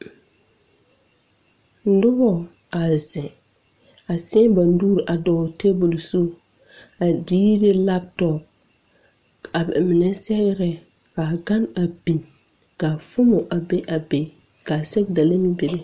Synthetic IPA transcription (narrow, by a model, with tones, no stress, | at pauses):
n̩˦dʊ˦bɔ˨ | a˨zɛ̃˨ | a˨tɛ˦ba˨n˦duː˦ɾʔa˨dɔː˨te˦bʊ˨lsu˦ | a˨diː˦ɾe˦la˦ptɔ˨p̚ | a˨bɛ˨mɪ˨nɛ˦sɛ˦ɣɪ˦ɾɛ˦ka˨ɡa˦na˨bi˨n | ka˨fʊ˦mɔ˨ʔa˨be˦ʔa˨be˨ka˨sɛ˦bda˨la˦mĩ˦be˨be˦